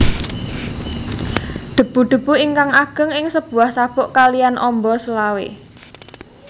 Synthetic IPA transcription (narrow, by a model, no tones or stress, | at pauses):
d̪̥ə̤b̥ṳd̪̥ə̤b̥ṳiŋkaŋaɡ̥ə̤ŋɪŋsəb̥ṳahsab̥ʊʔkalijanʔɔmbɔsəlawḛ